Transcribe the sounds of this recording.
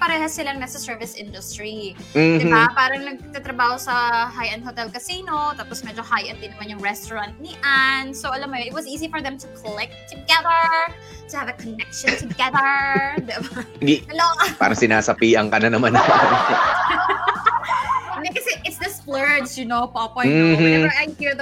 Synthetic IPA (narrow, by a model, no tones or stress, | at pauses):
pɐɾɛhɐsɪlɐnmɛsɐsɛɹvɪsʔɪ̃nd̪ʊst̪ɹim̩d̪ɪbapaːɾɐŋnɐɡ̚t̪at̪ɾɐbaːhosɐɦajʔɐnd̪̚hot̪ɛlkɐsiːnot̪aːpɔsmɛd͡ʒohajʔɐnd̪ɪnɐmanjʊŋɹɛst̪ɔɹɐ̃nt̪̚nɪʔansowʔɐlamːʊjoʔɪt̪̚wɐsʔiːzifɔɹðɛ̃mt̪ʊkʰɔlɛk̚t̪ʰːʊɡɛðə˞ | t̪ʊhavɐkɔnɛkʃɔnt̪ʊɡɛðə˞d̪ɪbaɡɐlopa̰ːɾɐŋsɪnaːsɐpiːʔɐŋkɐnɐnɐmanɐ | nd̪ɛkɐsɛʔɪt̪sd̪ɪsplɛɹdsjʊnowpopɔ̃nɐajhiɹð